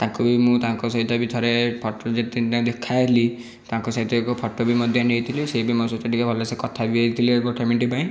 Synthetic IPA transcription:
t̪akubimũt̪aaŋkɔsɔɦit̪ɔbit̪ʰɔɾepʰɔʈɔd͡ʒet̪it̪ãd̪ekʰːaɦili | t̪aŋkɔsaɦit̪ɔekɔpʰɔʈɔbimɔd̪ʱjanejt̪ʰiliseibimɔsɔt͡ʃɔʈʰikabʱɔlesekɔt̪ʰabieit̪ʰiliekɔkemeɳʈipaĩ

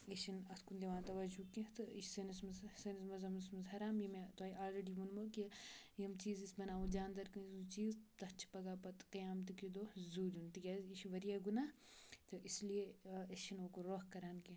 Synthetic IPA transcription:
eʃinɐt̪kund̪iʋãːnt̪ɐʋɐd͡ʒukĩt̪ɨiʃsɐnismɐzsɐnismɐzɐmismɐzɦɐɾaːmjimet̪ɐːiaːlɾeɖiːʋunmokijimt͡ʃiːzisbɐnaːʋũd͡ʒaːnd̪ɐɾkɐzut͡ʃiːzt̪ɐt͡ʃʰpɐɡaːpɐt̪kɐjaːmt̪ikid̪oːzuːlunt̪iɡʲaːziʃʋɐɾijaːɡunaːt̪ɨʔislijeɐʃinoːkoɾoːɦkɐɾaːnkĩ

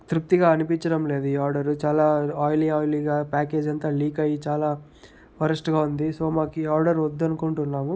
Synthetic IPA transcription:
t̪ɾuk̚t̪iɡaːɐnipiɲt͡ʃɐɽɐmle̞ːd̪uiːaːɾɖɐɾut͡ʃaːlaːaːjliaːjliːɡaːpaːke̞ːd͡ʒɐnt̪aːliːkɐjit͡ʃaːlaː | pɐɾɐsʈɡaːund̪iso̞ːmaːkːaːɾɖɐɾɔd̪ːɐnukuɳʈunːaːmu

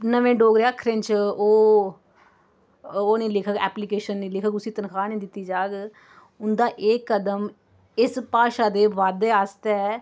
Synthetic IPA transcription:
nəʋẽːɖoːɡɾeaːkʰːɾɪ̃nt͡ʃoː | oːnẽːlɪkʰːkɛːplikeːʃənːẽːlɪkʰakʊsiːt̪ənkʰaːnĩːd̪ɪt̪ːiːd͡ʒaːɡ | ʊnd̪aːʔeːkːəd̪əm | ɪspaːʃaːd̪eːʋaːd̪eːaːst̪ɛ

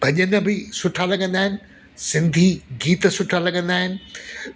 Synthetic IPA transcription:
bʱɐɲənə̆bɪsʊʈʰaːlɐɠɐ̃nd̪aːɦɪnɪ̆ | sɪ̃nd̪ʱiɡiːt̪sʊʈʰalɐɠɐ̃nd̪aːɦɪnɪ̆

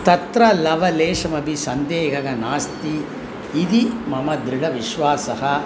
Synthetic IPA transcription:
t̪ɐt̪ɾɐlɐʋɐleːʂɐmɐbʱisɐnd̪eːɦɐɣɐnaːst̪iː | d̪imɐmɐd̪ɾiɽɐʋiʃʋaːsɐɦɐ

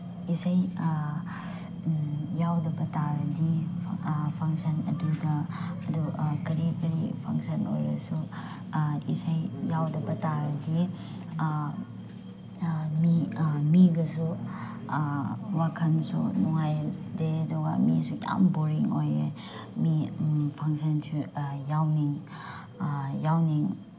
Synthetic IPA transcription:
isaj | jawdɐbɐtaɾɐdi | pʰaŋsɐnɐ̰dudɐɐdukɐɾikɐɾipʰa̰ŋsɐno̰jɾɐ̰su | ḭsajjawdɐbɐtaɾɐdi | mimiɡɐsu | wakʰɐnsṵnɔŋajdedɔɡa̰misuja̰mboɾiŋojḛ | mipʰaŋsɐnsʰujawniŋ | jawniŋ

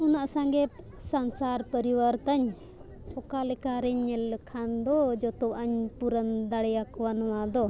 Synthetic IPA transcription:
ɔnaʔsaŋɡɛp | sansaɾpəɾiwaɾt̪aɲ | ɔkalɛkaɾɛɲːɛlkʰand̪ɔd͡ʒɔt̪ɔʔaɲpuɾənd̪aɽɛjakɔwanɔwad̪ɔ

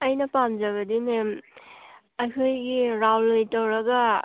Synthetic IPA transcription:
ajnapamzaβɐdimem | ajkʰojɡiɾawlːojtawɾaɡa

